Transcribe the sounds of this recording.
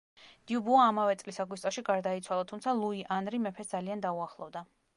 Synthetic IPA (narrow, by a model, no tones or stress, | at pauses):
d̪̥iubuaːmavɛt̪sʼlisaɡwist̪ʼɔʃiɡaɾd̪ait̪sʰwalˠat̪ʰumt̪sʰalˠuiʔanɾimɛpʰɛsd̪zaliand̪auaχlˠɔvd̪a